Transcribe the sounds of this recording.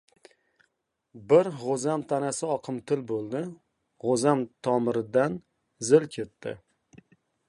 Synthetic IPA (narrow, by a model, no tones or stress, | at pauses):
bɪɾʁozamt̪ʰanasɪɒqʰɨmt̪ʰɪlbolˠd̪ɪ | ʁozamt̪ʰɒmɪɾɪd̪an | zɪlkʲʰe̞t̪ːɪ̰